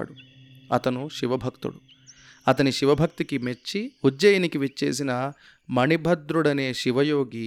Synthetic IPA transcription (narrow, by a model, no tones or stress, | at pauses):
ɽu | ɐt̪ɐnuʃiʋɐbʱɐkt̪ṵɽu | ɐt̪ɐniʃiʋɐbʱɐk̚t̪ikimet͡ʃːiud͡ʒd͡ʒɐjɐnikiʋit͡ʃːḛːsinɐ | mɐɳibʱɐd̪ɾuɽɐneːʃiʋɐjoːɡi